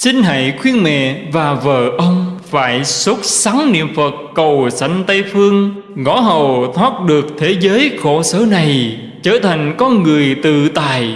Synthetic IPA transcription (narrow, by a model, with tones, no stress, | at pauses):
si˧ŋ̟ɦa̰ː˧˨jxwi˧ənmɛ̰˧˨vaː˨˩və̰ː˧˨ʔə˧wŋ͡mfaː˧˩jsə˦˥t̚sa˨˦ŋnḭ˧˨əmfə˨˩t̚kə˨˩wsa˧˩jŋ̟t̪ə˧jfɨ˧əŋ | ŋɔ˧˥˦ɦə˨˩wt̪ʰwaː˦˥t̚ɗɨ˨˩ək̚t̪ʰe˨˦zəː˨˦jxo˧˩səː˨˦na˨˩j | t͡ɕəː˧˩t̪ʰa˨˩jŋ̟kɔ˧nŋɨ˨˩əjt̪ɨ̰˧˨t̪aː˨˩˨j